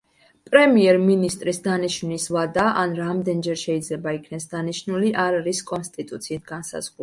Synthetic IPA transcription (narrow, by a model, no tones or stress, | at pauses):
pʼɾɛmiɛɾminist̪ʼɾisd̪aniʃvnisvad̪aʔanɾamd̪ɛnd͡ʒɛɾʃɛid̪zlɛbaikʰnɛsd̪aniʃnuliʔaɾaɾiskʼɔnst̪ʼit̪ʼut̪sʰiːt̪̚ʰɡansa̰z̥ʁˠ